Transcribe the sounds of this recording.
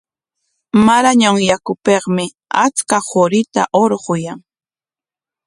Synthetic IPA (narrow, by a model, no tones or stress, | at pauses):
maɾaɲaŋjakʊpeχmɪ | at͡skahoɾɪt̪a̰ʔoɾɢʊjaŋ